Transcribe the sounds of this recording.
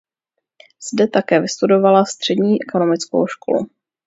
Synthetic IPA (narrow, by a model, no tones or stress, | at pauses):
z̥dɛt̪akɛːvɪst̪udo̞valast̪r̝̥ɛdɲiːʔɛko̞no̞mɪt͡sko̰wʃkʰo̰lṵ